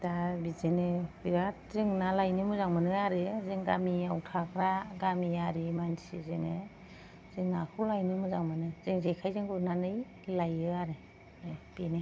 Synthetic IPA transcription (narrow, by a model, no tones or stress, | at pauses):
dabizenebiɾat̚zeŋnalajnɯmɯzaŋmɯnɯaɾɯzeŋɡamiawtʰakʰɾaɡamiaɾimansḭzene | z̥eŋnakʰulajnɯmɯzaŋmɯnɯzeŋzejkʰajzeŋɡunanɯj | lajɯaɾe | b̥ine